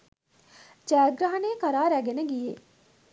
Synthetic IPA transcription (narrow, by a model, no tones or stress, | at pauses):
d͡ʒæːɡɾaɦɐneːkɐɾaːɾæɡenəɡije